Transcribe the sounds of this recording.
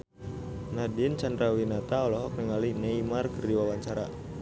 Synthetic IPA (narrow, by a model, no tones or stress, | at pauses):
nadɪnt͡ʃandɾawinat̪aɔlɔɦɔk̚nɛŋalinɛimarkərdiwawaɲt͡ʃaɾa